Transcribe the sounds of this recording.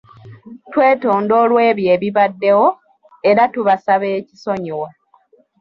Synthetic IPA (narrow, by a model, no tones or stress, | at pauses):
twe̞ːto̞ːndo̞ːlwe̞ːβje̞ːβiβadːe̞wo̞ | eɾatuβasaβe̞ːci̥so̞ɲiwa